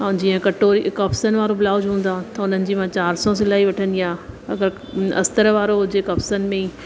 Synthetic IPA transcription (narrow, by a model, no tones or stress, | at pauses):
ad͡ʑiːə̃kɐʈoːɾikɐfsənɪ̆ʋaːɾobɪlaːʊd͡ʑɦũːn̆d̪ãt̪ɐʊn̤ənɪ̆d͡ʑiːmãt͡ɕaːɾsɔs̬ɪlaːiʋɐʈʰə̃nd̪iaːɐɡəɾ | ɐ̰st̪əɾʋaːɾoɦʊd͡ʑekɐfsənɪ̆mẽi